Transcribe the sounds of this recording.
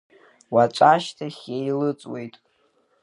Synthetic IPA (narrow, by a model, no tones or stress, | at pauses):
wat͡ʃʷʼaʃtʰaχʲejlɨt͡sʼwḛjtʼ